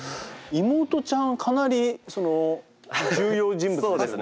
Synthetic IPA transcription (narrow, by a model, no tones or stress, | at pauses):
imo̞ːt̪o̞t͡ɕãŋkʰanaɾʲiso̞no | d͡ʑɨːjoːʑĩmbɯsoːd̪es